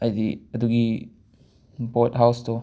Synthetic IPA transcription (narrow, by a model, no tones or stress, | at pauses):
ajdiɐduɡi | botɦawsdɔ